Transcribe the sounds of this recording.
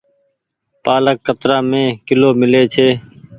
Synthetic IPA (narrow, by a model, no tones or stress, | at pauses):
paːləkːət̪ɾaːmẽːkɪloːmɪleːt͡ʃʰeː